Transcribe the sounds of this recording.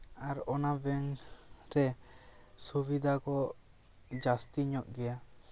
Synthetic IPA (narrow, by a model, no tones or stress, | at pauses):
aɾɔnabɛŋɾɛ | subid̪ʱakɔ | d͡ʒast̪iɲɔʔɡɛja